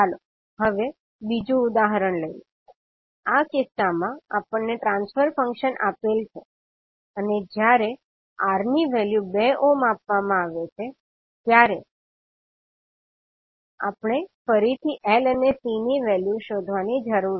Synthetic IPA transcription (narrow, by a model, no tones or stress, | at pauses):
alo | ɦəʋe | bid͡ʒũːd̪aɦɾəɳləi | akɪsamãapəɳːeʈɾãnsfəɾfə̃ŋkʃənʔapelt͡ʃʰe | əned͡ʒjaɾe | aɾniʋɛljubeʔomapʋamãaʋet͡ʃʰe | t̪jaɾe | apɳ̃efəɾit̪ʰiʔelənesiniʋɛljuʃod̪ʱʋanid͡ʒəɾuɾ